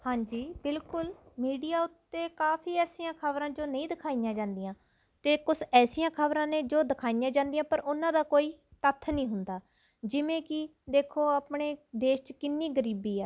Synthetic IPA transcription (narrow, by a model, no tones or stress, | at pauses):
hãːɲd͡ʒiːbɪlkʊlmiːɖijaːʊt̪ːeːkaːpʰiːɛːsijãːkʰəbɾãːd͡ʒoːnəĩːd̪ɪkʰaːijãːd͡ʒãːnd̪ijãː | t̪eːkʊsɛːsijãːkʰəbɾãːnẽːd͡ʒoːd̪ɪkʰaːijãːd͡ʒãːnd̪ijãːpəɾʊnãːd̪aːkoːiːt̪ət̪ʰːnĩːɦʊnd̪aː | d͡ʒɪʋẽːkɪ | d̪eːkʰoːaːpɳeːd̪eːʃt͡ʃkɪnːiːɡəɾiːbiːɛː